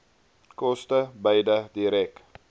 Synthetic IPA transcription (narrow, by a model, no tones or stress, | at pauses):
kɔstəbəjdədiɾɛk